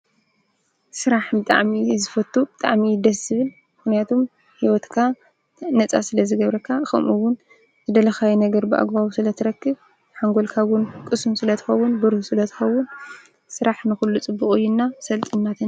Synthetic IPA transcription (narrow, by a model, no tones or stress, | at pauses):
sɨɾaħbɨt̪ʼa̰ʕmizɨfɐt̪ʰʼːubɨt̪ʼaʕmid̪ɐsɨβɨl | mɨxnijat̪ʰo̞m | hiwɔt̪kʰa | nɐt͡sʼasɨlɐzɨɡɐβɾɐkʰːaxɐ̰mʔuwːʊn | zɨd̪ɐlɐxajinɐɡɐɾbɨʔa̰ɡbawusɨlɐt̪ʰɨɾɐkːɨβ | ħaŋɡo̞lkʰawʊnkʼɨsumsɨlɐt̪ʰɨ̥xɐwːʊnbɨɾhusɨlɐt̪ʰɨ̥xɐwːʊn | sɨɾaħnɨxulːut͡sʼɨbːuχʼujːɪnːasɐlt̪ʼɨnːat̪ʰɨn